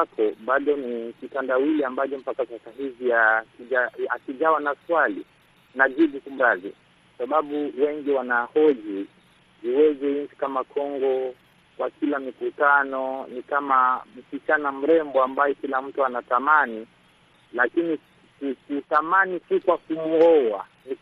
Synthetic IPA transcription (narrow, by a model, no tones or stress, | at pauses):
akʰɔɓaɗɔnikitandawiliambat͡ʃɔm̩pakasasaɦivijakiʄaakiʄawanaswalḭ | naʄiɗikum̩ɾaði | kwasaɓaɓuwɛŋɡiwanahɔʄi | iwɛzɛint͡ʃi̥kamakʰɔŋɡɔ | kwakilamikutanɔnikamam̩sit͡ʃanam̩ɾɛmbɔambajɔkilam̩tuanatamani | lakini | kukutamanisikwakumuɔwa̰ | ni